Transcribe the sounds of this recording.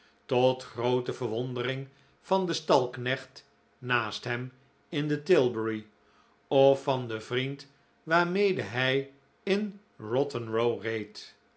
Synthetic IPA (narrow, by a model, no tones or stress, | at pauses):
tɔtχrowtəvəɹʋɔndərɪŋ | v̥ɑndəstɑlˠknɛχt | naːstɦɛm | ɪndətɪlˠbəɹi | ɔfɑndəvrint | ʋaːɹmejdəɦɛj | ɪn | rɔtənɹowrejt